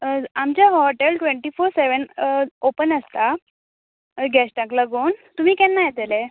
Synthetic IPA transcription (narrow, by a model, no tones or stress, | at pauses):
amt͡ɕjaɦɔʈelʈʋeɳʈiːfoɾseʋənopənəst̪a | ɡɛsʈãkləɡuːnt̪um̤iːkɛ̃nːajet̪ele